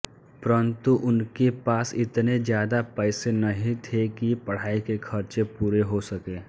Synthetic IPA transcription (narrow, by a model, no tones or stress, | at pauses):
pɐɾənt̪uʔʊnkepaːsɪt̪nezjaːd̪apɛːsenɐɦĩt̪ʰekipɐɽ̤aːikekʰɐɾt͡ʃepuːɾeɦosɐkeː